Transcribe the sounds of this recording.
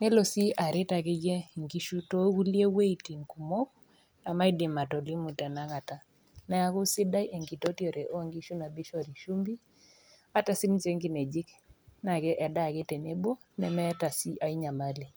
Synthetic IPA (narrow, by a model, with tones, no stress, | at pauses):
nɛ˦lo˨si˦a˨ɾɪ˦ta˨kɪ˦ɡɛ˦ŋɡi˦ʃu˦to˦ku˦lje˦we˦i˨ti˨ŋku˨mo˦k̚ | na˨ma˦i˦dɪ˨ma˨tɔ˨li˦mu˨tɛ˨na˦ka˨ta˨ | nɛ˨a˦kʊ˦sɪ˦da˦jʔe˨ŋɡi˨to˦tjo˨ɾe˨ʔo˦ŋɡi˦ʃu˦na˨bi˦ʃɔ˦˨ɾi˨ʃu˦mbi˦ | a˦ta˨si˦nt͡ʃe˦ŋɡi˦nɛ˨d͡ʒɪ˦kna˨kɛ˦ʔɛ˨da˦˨kɛ˦te˨ne˦bo˦ | nɛ˨mɛ˦ta˨si˦ʔa˨i˦ɲa˨ma˦li˨